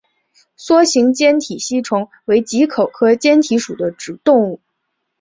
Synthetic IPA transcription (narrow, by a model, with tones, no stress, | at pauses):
swɔ˥ɕi˧˥ŋt͡ɕjɛ˥nt̪ʰi˨˩ɕi˥˩ʈ͡ʂʰʊ˧˥ŋ | we˧˥ɪt͡ɕi˧˥kʰo˨˩ʊkʰɤ˥t͡ɕjɛ˥nt̪ʰi˧˥ʂu˨˩d̪ə˦ʈ͡ʂɻ̩˨˩t̪ʊ˥˧ŋu˥˩